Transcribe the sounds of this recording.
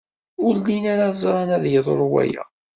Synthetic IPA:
ʊɾlinaɾazˤɾˤɑnæðjəðˤo̰ɾˤwæ̰jæ̰

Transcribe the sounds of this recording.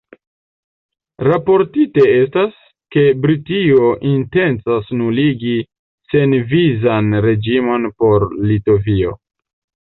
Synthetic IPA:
ɾapo̞ɾtite̞e̞stas | ke̞bɾitio̞ʔinte̞nt͡sasnuliɡi | se̞nvizanɾe̞d͡ʒimo̞npo̞ɾlito̞vio̞̰

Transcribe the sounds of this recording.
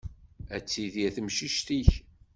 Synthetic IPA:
æt͡sːiðjæθmʃiʃt̪iç

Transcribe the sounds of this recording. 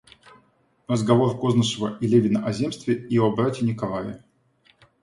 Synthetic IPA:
rəzɡɐvo̞rkoznəʂɨvəʔilʲevʲɪnəʔɐzʲemst̪vʲɪiobɾatʲɪnʲɪkɐlˠajɪ̰

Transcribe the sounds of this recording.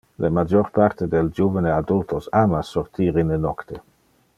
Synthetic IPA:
lemad͡ʒoɾpaɾt̪ed̪eld͡ʒuvənead̪ult̪osamasːort̪iːɾinenɔkt̪e

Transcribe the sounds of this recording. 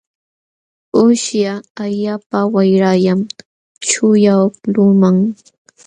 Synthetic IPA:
ʊʃjaaʎapawajɾajam | t͡ʃʊjaklʊmaŋ

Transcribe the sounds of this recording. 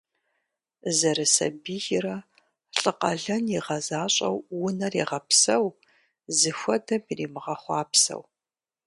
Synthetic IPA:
zɐɾɨsɐ̰biːʒɪɾɐ | ɬʼɨqʼɐɮɐniʁɐzaːɕʼɐ̰wwːʊnɐriːʁɐpsɐw | zɨxʷɐdɐmiriːmɨʁɐχʷɑːpsɐ̰w

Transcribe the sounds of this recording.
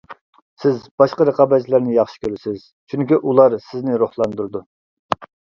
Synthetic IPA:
sɪzbɑʃqəɾəqɑbɛd͡ʒʰlæɾnɪjɑχʃi̥kʲʰøɾɪsɪz̥ | t͡ʃʰyŋkʲiʔulˠɑɾsɪznɪɾoχlˠɑnd̪uɾd̪u

